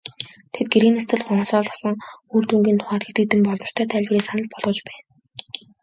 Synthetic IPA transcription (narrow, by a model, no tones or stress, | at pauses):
t̪ʰet̪̚ɡeɾiːnast͡s̪ɘ̆ɮχɔɴsɔːɮɔ̥sə̆ŋuːrt̪uŋɡʲiːnt̪ʰʊ̥χaːt̪̚ɡet̪ɡɘ̆t̪ɘ̆mpɔɮɞ̆rt̪ʰœːt̪ʰæːɮʲpreːsanə̆ɮpɔɮʁɞ̆t͡ɕpæːn